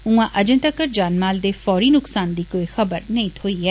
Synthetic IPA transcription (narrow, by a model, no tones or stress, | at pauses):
ũːãːʔəd͡ʒə̃t̪əkəɾd͡ʒaːnmaːld̪eːfɔːɾiːnʊksaːnd̪iːkoːiːxəbəɾnəĩːt̪ʰoːiːɛː